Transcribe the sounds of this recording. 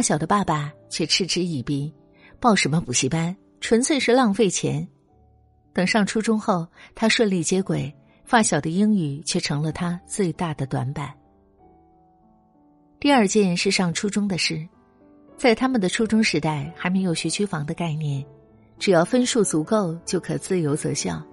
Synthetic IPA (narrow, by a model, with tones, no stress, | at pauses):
a˥˩ɕjɑ˨˩ʊd̪ə˦pa˥˩pa˩t͡ɕʰɥɛ˥˩ʈ͡ʂʰɻ̩˥˧ʈ͡ʂɻ̩˥i˥˩pi˥˩ | pɑ˥˩ʊʂə˧˥nmə˧pu˨˩t͡ɕʰi˥pa˥n | ʈ͡ʂʰwə˧˥nt͡sʰwe˥˧ɪʂɻ̩˥˧lɑ˥˧ŋfe˥˩ɪt͡ɕʰjɛ̰˧˥n | t̪ɤ˨˩ŋʂɑ˥˩ŋʈ͡ʂʰu˥ʈ͡ʂʊ˥ŋxo˥˩ʊt̪ʰa˥ʂwə˥˧nli˥˩t͡ɕjɛ˥kwe˨˩ɪ | fa˥˩ɕjɑ˨˩ʊd̪ə˦i˥ŋy˨˩t͡ɕʰɥɛ˥˩ʈ͡ʂʰɤ˧˥ŋlə˧t̪ʰa˥t͡swe˥˧ɪt̪a˥˩d̪ə˩t̪wa̰˧˥npa˨˩˦n | t̪i˥˧ɐ˞˥˧t͡ɕjɛ˥˧n˥nʂɻ̩˥˧ʂɑ˥˩ŋʈ͡ʂʰu˥ʈ͡ʂʊ˥ŋd̪ə˨ʂɻ̩˥˩ | t͡sa˥˩ɪt̪ʰa˥mə˨nd̪ə˩ʈ͡ʂʰu˥ʈ͡ʂʊ˥ŋʂɻ̩˧˥t̪a˥˩ɪxa˧ɪme˧˥ɪjo˨˩ʊɕɥy˧˥t͡ɕʰy˥fɑ˧˥ŋd̪ə˧ka˥˧ɪnjɛ˥˩n | ʈ͡ʂɻ̩˨˩jɑ˥˩ʊfə˥nʂu˥˩t͡su˧˥ko˥˧ʊt͡ɕjo˥˩ʊkʰɤ˨˩t͡sɹ̩˥˩jo˧˥ʊt͡sɤ̰˧˥ɕjɑ̰˥˩ʊ